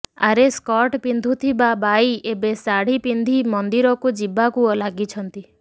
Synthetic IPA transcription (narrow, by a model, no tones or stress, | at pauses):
a̰ɾeskɔʈpind̪ʱut̪ʰibabajebesaɽ̤ipind̪ʱimɔnd̪iɾɔkud͡ʒibakuɔlaɡit͡ʃʰɔnt̪i